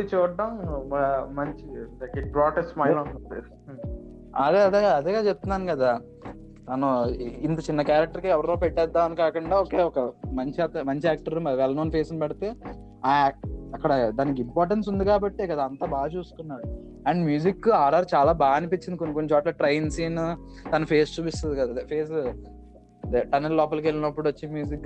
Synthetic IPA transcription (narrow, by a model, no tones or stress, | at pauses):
t͡ʃuːɖːɐm | mɐɲt͡ʃikibɾaːʈesmɐjlɐnɐpes | ɐd̪eɐd̪eɐd̪eɡaːt͡ʃeb̚t̪unaːnkɐd̪aː | t̪ɐnuint̪ɐt͡ʃinːɐkaːɾɐk̚ʈɐɾkiɛʋɐɾɐnoːpɛʈːɛːd̪ːaːɐnikaːkuɳɖaːoːkeːɔkɐmɐɲt͡ʃat̪ɐmɐɲt͡ʃiaːk̚ʈɐɾumɐʋɛlɐnoːnpʰeːsinipɐɽit̪e̞ː | aːɐkːɐɽɐd̪aːnik̬impaːɾʈ̬eɳsund̪ikaːbɐʈːikɐd̪aɐnt̪ɐbaːɐt͡ʃuːsu̥kunːaːɾu | ɐɳɖmjuːd͡ʒikːaːɾɖɐɾt͡ʃaːlaːbaːnipit͡ʃːindikonːikonːit͡ʃɔːʈlɐːʈɾɐjinsiːn | t̪ɐnɐpʰeːst͡ʃuːp̬ist̪ɐd̪ikɐd̪aːpʰeːs̬ | ʈɐnellɔːp̬ɐlukelːinɐpːuɽuot͡ʃːimjuːd͡ʒikː